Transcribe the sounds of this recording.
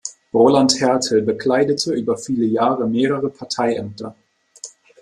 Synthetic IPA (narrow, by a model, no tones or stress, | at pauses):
ʁolanthɛɐtʰl̩bəkʰl̥aɪdətʰəʔyːbɐfiːləjaːʁəmeːʁəʁəpʰaɐtʰaɪʔɛm̚tʰɐ